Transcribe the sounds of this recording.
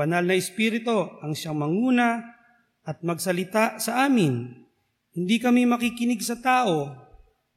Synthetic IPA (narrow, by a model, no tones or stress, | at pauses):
ɐnalnɐɪspiɾɪt̪o̞ʔɐŋʃaŋmɐŋuːna | ʔɐt̪̚mɐɡsɐlɪt̪asɐʔaːmɪn | hɪnd̪ikɐmimɐkikɪnɪɡsɐt̪aːʔo̞